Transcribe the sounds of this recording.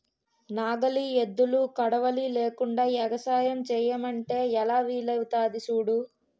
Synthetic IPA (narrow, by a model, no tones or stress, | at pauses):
naːɡɐlied̪ːulukɐɽɐʋɐlileːkuɳɖaːjɛɡɐsaːjɐmt͡ʃɛːjɐmɐɳʈe̞ːɛlaːʋiːlɐʋt̪aːd̪isuːɽu